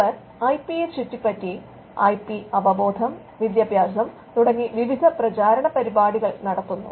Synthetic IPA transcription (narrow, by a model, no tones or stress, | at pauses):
ɐ | ɐjpijet͡ɕutːipːɐtːi | ɐjpiɐʋɐbo̞ːd̪ʱɐm | ʋid̪jɐbʱjaːsɐm | t̪uɽɐŋːiʋiʋid̪ʱɐprɐt͡ɕaːɾɐɳɐpɐɾibaːɽiɣɐɭnɐɽɐt̪ːunːṵ